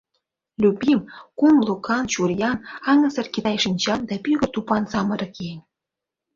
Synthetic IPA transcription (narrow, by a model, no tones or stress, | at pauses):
lʲubʲimkumlˠukɑnt͡ɕurjɑnɑŋɤ̆sɤ̆rkʲit̪ɑjʂinʲt͡ɕɑnd̪ɑpʲyɣʲə̆t̪upɑnsɑmɤ̆ɾɤ̆kʲenʲ